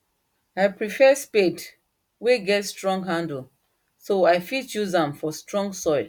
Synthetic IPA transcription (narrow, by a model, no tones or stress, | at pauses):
aɪpɹifɛsped | weɡɛtstɹɔ̃ŋɡɦãndl̩ | soaɪfit͡ʃuzãmfɔstɹɔ̃ŋɡsɔɪl